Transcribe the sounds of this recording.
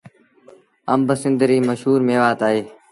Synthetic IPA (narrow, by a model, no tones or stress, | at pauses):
əmbəsɪnd̪ɾiːməʃɦuːɾmeːʋaːt̪aːɦeː